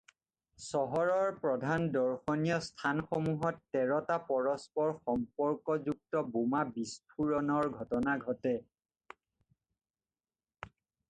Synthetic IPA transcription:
sɔɦɔɹɔɹpɹɔdʱandɔɹxɔnijɔstʰanxomuɦɔtːɛɹɔtapɔɹɔspɔɹxɔmpɔɹkɔzuk̚tɔbumabispʰuɹɔnɔɹɡʱɔtɔnaɡʱɔtɛ

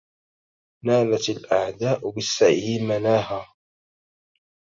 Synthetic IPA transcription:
naːlat̪alʔaʕd̪aːʔbɪsːaʕjimanaːɦaː

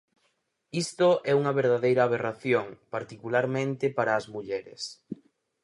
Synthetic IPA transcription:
ist̪oʔɛuŋɐβeɾðaðejɾɐːβ̞eraθjoŋpaɾt̪ikulaɾmẽnt̪ɪpaɾɐːzmuʎɛɾɪ̰s

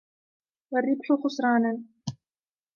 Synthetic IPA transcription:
warːɪbħʊxʊsɾˤɑːnan

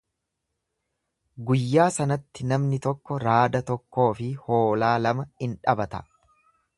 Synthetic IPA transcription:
ɡʊjːaːsɐnɐt̪ːɪnɐmnɪt̪ɔkːɔɾaːd̪ɐt̪ɔkːo̞ːfɪho̞ːlaːlɐmɐɪnᶑɐbɐt̪ɐ̥

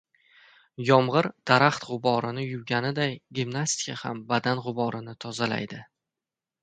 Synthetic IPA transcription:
jɒmʁɨɾd̪̥aɾaχt̪ʁʊbɒɾɪnɪjʊɡʲanɪd̪ajɡʲibnasʲt̪i̥jahambad̪anʁʊbɒɾɪnɪt̪ʰɒzala̰jd̪ɪ

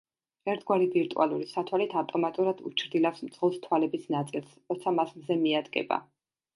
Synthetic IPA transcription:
ɛɾt̪ʰɡwaɾiviɾt̪ʼṵʔa̰lˠuɾisat̪ʰwalit̪ʰavt̪ʼɔmat̪ʼuɾad̪̥ṵt͡ʃʰɾd̪ilafsmt̪sʰʼχʁɔlˠst̪ʰwalɛbisnat̪sʼilˠsɾɔt̪sʰamasmzɛmiad̪ɡɛ̰ba̰

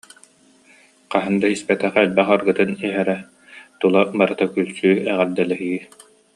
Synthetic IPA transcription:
qaɦɯnd̪aispɛt̪ɛχɛlbɛχaɾɡɯt̪ɯniɦɛɾɛ | t̪ulˠabaɾɯt̪akylsyːɛʁɛɾd̪ɛlɛɦi

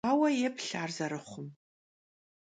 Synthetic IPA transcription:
aːwɐjɛpʰɬaːrzɐɾɨχʷʊm

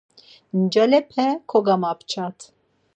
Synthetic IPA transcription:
nd͡ʒalɛpʰɛkʰɔɡamapʰt͡ʃʰat̪ʰ

